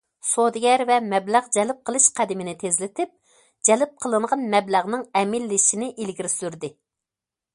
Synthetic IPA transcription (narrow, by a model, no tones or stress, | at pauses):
sod̪ɪɡʲɛɾvɛmɛblæʁd͡ʒɛlɪp̚qʰəlˠɨʃqʰæd̪ɪmɪnɪt̪ʰezlɪt̪ʰɪp̚ | d͡ʒɛlɪp̚qʰəlˠɨɴʁɑnmɛblæʁnɨŋɛmɪlːɪʃinɪʔilɡʲiɾɪsyɾd̪ɪ